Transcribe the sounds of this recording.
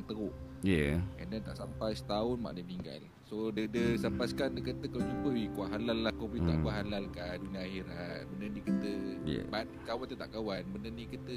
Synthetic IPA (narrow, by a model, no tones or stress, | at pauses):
ŋt̪əɾʊʔ | jəə̰ndɛt̪a̰ʔsampajsə̥t̪aʊnma̰ʔdəmiŋɡa̰l | sodədəsampaskandəkət̪əkawat͡ʃupəwikaʔɦalalːahkobit̪a̰ʔkuaɦalalkaduniaːɦiɾabənənĩkət̪əjə̰batkawant̪ət̪a̰ʔkawanbənənikit̪ə